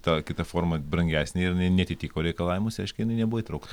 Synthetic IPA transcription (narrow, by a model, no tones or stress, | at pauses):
t̪ɑkʲɪt̪ɐfoːɾmɐbɾɐŋʲɡʲæːsʲnʲeɪɾɪnɐɪnʲɛɐt̪ʲɪt̪ʲiːkoːɾʲɛɪkɐlˠɑːʋɪmʊsʲɐɪʃkʲɪjɪnɐɪnʲɛbuʋoiːt̪ɾɐʊkt̪